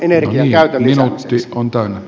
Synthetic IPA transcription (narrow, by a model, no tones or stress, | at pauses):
eneriniːæyt̪æminut̪ːiʔont̪æˑynːæ